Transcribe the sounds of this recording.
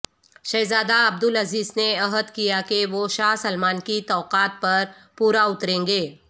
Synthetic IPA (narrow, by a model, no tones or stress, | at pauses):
ʃɐjzaːd̪aɐb̚d̪ʊlɐziːzneɐɦəd̪kijakeʋoʃaːɦsɐlmaːnkit̪ɔːqaːt̪̚pɐɾ | puːɾaʊt̪ɾẽːŋɡeː